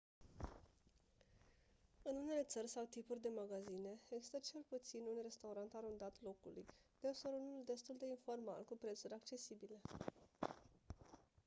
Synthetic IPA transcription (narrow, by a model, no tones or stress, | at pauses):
ɨnune̞le̞t̪sərʲsawt̪ipurʲd̪e̞maɡazine̞eɡzi̥st̪ət͡ʃe̞lput̪sinunre̞st̪auɾant̪aɾund̪at̪lo̞kulṵjd̪̥eosoɾunuld̪e̞st̪uld̪e̞info̞rma̰lkupɾe̞t̪suɾʲak̚t͡ʃe̞sibile̞